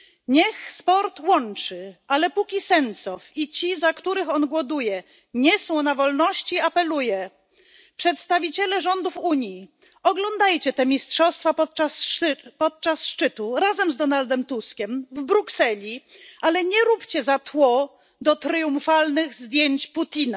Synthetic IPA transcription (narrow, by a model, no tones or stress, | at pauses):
ɲɛxspɔɾt̪wɔnt͡ʂɘalɛpukʲisɛnt̪sɔfit͡ɕizakt̪uɾɘxɔnɡwɔd̪ujɛ | ɲɛsɔ̃w̃navɔlnɔɕt͡ɕiapɛlujɛ | pʂɛt̪st̪avʲit͡ɕɛlɛʐɔnd̪ufuɲji | ɔɡlɔnd̪ajt͡ɕɛt̪ɛmʲistʂɔst̪fapɔt̪̚aspɔt̪̚t͡ʂasʂt͡ʂɘt̪uɾazɛmzd̪ɔnald̪ɛmt̪uskʲɛmvbɾuksɛlʲialɛɲɛɾupt͡ɕɛzat̪wɔ | d̪ɔt̪ɾɘjumfalnɘɣzd̪ʲjeɲt͡ɕput̪ʲina